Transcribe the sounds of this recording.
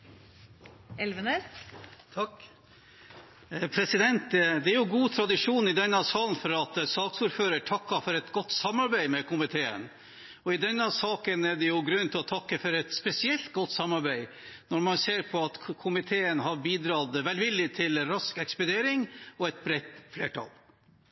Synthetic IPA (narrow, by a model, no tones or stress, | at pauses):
ɛlʋənəɾʰ | pʰɾɛsɪd̪ɛnt̪d̪ɛæɾjʊɡuːt̪ʰɾɑd̪ɪʂuːnɪd̪ɛnːəsɑːln̩fɔɾɑt̪sɑːksuːɾføːɾəʈʰɑkːɑfɔɾɛt̪ɡɔt̪ːsɑmːɑɾbæɪmɛkʰʊmɪt̪ʰeːə̰n | ɔɪd̪ɛnːəsɑːkənæɖɛjʊɡɾʉnːt̪ʰɪlɔt̪ʰɑkːəfɔɾɛt̪spɛsɪɛlt̪̚ɡɔt̪ːsɑmːɑɾbæɪ | nɔɾmɑnseːɾpʰɔɑt̪kʰʊmɪt̪ʰeːənɦɑɾbiːd̪ɾɑd̪ʋɛlʋɪlːɪt̪ʰɪlɾɑskɛkspʊd̪eːɾɪŋɔɛt̪̚bɾɛt̪ːfleːʈʰɑ̰l